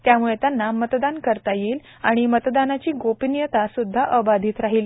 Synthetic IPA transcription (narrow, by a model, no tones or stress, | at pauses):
t̪jamuɭet̪janːamət̪d̪ankəɾt̪ajiːl | aɽ̃imət̪d̪anat͡ɕiːɡopinjət̪asud̪ʱːaʔəbad̪ʱiːt̪ɾaɦiːl